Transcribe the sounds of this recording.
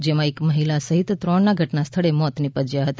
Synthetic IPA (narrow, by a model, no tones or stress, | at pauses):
d͡ʒemãekməɦilasəɦit̪ːɾɔɳnaɡʱəʈnast̪ʰəɭemɔt̪nipəd͡ʒjaɦət̪a